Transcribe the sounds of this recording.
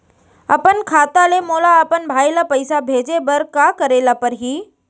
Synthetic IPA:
ɐ̰pənkʰaːt̪alemoːlaɐpənbʱaːjlapəɪsabʱeːd͡ʑebɐɾkakɐɾeːlapɐɾɦiː

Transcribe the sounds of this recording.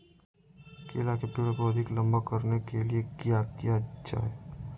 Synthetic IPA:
kḛːlakepɪɽkoɐd̪ʱɪklɐ̃mbakəɾnekeliekijakijad͡ʒa̰ːe

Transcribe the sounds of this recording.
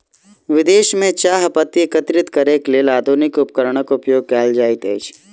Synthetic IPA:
ʋɪd̪eːʃmẽt͡ʃaːɦpət̪ːiekət̪ɾɪt̪kəɾeklielaːd̪ʱunɪkʊp̚kəɾəɽ̃əkʊpjoːɡ̚kaːld͡ʒaːit̪eːt͡ʃʰ

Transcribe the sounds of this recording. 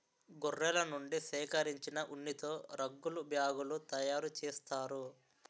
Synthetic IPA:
ɡurːɛlɐnuɳɖisɛːkɐɾiɲt͡ʃinɐʔuɳːit̪o̞ːɾɐɡːulubjaːɡulut̪ɐjaːɾut͡ʃɛːst̪aːɾu

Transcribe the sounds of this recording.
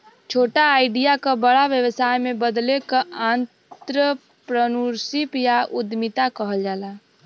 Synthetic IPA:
t͡ʃʰoːʈaaɪɖijakabəɽaʋjəwəsajmebəd̪lekəant̪ɾə | pɾənuɾsipjaud̪mit̪akəɦəld͡ʒaːla

